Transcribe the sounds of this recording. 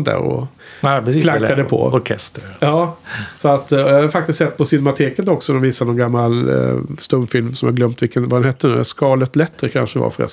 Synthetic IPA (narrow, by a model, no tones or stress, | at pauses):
d̪æ̰ːɾɔ̰ | lakːad̪əpʰɔ̰ɔkʰɛst̪jɑːsɔat̪ːɔjaːhaɾfakt̪ɪst̪sɛt̪ːpʰɔsʏnɛmat̪ʰeːkət̪ɔksɔnɛmviːsanɔnɡamːalst̪ɵmːfɪlmsɔmjahaɡlœmt̪vɪlkənvad̪ɛnhɛt̪ʰːəɳʉ̟ːskɑːlət̪lɛt̪ːɾəkʰa̰nʂəva̰fœɾɛ̰